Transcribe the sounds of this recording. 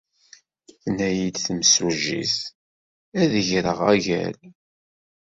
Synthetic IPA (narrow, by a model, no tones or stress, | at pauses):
θnæjid̪θəmsuʒḭθ | æðəʝɾəʁæʝæ̰l